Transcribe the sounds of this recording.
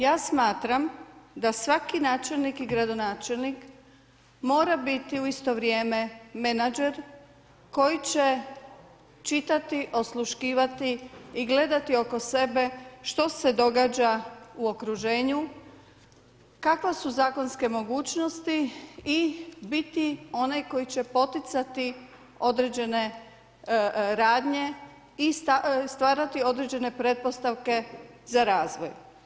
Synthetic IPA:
jaːsmaːt̪ɾamd̪asʋakinaːt͡ʃelnikiɡɾad̪o̞naːt͡ʃe̞lnik | mo̞ːɾabit̪iuist̪o̞ʋɾjeːme̞me̞nad͡ʒe̞ɾ | ko̞jit͡ɕe | t͡ʃit̪at̪iʔo̞slˠuʃkiːʋat̪iːɡle̞d̪at̪io̞ko̞se̞be̞ʃt̪o̞se̞d̪o̞ɡaːd͡ʑauo̞kɾuʒeːɲu | kakʋasuzaːko̞nske̞mo̞ɡuːt͡ɕno̞st̪iibit̪io̞najko̞jit͡ɕe̞po̞t̪it̪sat̪i | o̞d̪ɾed͡ʑe̞ne̞ | ɾaːd̪ɲe̞ | ist̪ast̪ʋaːɾat̪io̞d̪ɾed͡ʑe̞ne̞pɾe̞t̪̚po̞st̪aʋke̞zaɾaːzʋo̰j

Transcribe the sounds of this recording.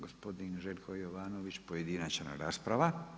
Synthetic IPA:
ɡospo̞d̪inʒelkʰojoʋaːnoʋit͡ʃpojed̪inat͡ʃna̰ɾa̰ːspɾaʋa

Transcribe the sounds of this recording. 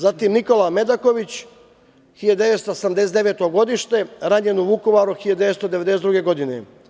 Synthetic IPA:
zat̪imniko̞lame̞d̪ako̞ʋit͡ɕ | xiʎad̪d̪eʋet̪st̪oosamd̪eset̪d̪eʋe̞ːt̪oɡo̞d̪iʃt̪e̞ɾaɲenuʋukoʋaɾuxilʎad̪ud̪eet̪st̪od̪eed̪esed̪ɾuɡe̞ɡo̞d̪inḛ

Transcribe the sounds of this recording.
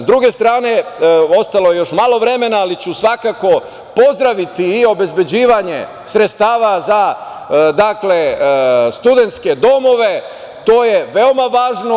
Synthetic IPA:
zd̪ɾuɡe̞st̪ɾaːne̞o̞st̪aloje̞jo̞ʃmalˠo̞ʋɾe̞me̞naːlit͡ɕusʋakako̞ | po̞zd̪ɾaʋit̪iːo̞be̞zbe̞d͡ʑiːʋaɲe̞̰ | sɾet̪st̪aːʋaza | d̪akle̞st̪ud̪e̞nt̪ske̞d̪o̞mo̞ʋe̞ | t̪oːje̞ʋeo̞maʋaːʒno

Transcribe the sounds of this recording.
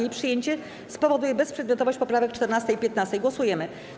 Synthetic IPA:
epʂɘjeɲt͡ɕɛ | spɔvɔd̪ujɛbɛspʂɛd̪mjɔt̪ɔvɔɕt͡ɕpɔpɾavɛkt͡ʂt̪ɛɾnast̪ɛjpʲjɛt̪nast̪ɛjɡwɔsujɛmɘ

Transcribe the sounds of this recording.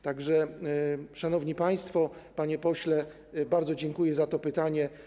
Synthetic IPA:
t̪aɡʐɛ | ʂanɔvɲipaj̃st̪fɔpaɲɛpɔɕlɛ | baɾd̪zɔd͡ʑɛŋkujɛzat̪ɔpɘt̪aɲɛ

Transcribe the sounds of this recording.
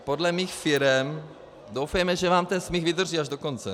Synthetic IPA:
podlɛmiːxfɪɾɛm | dowfɛjmɛʒɛvaːmt̪ɛnsmɪxvɪd̪r̩ʒiːaʒdoko̞nt͡sɛ

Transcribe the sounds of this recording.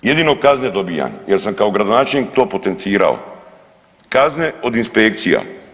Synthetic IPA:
jed̪inokazned̪obija̰njeɾsamkaoɡɾad̪onaːt͡ʃelnik̚t̪o̞ːpo̞t̪ent̪siːɾa̰o̰ | kazneod̪inspekt̪sija̰

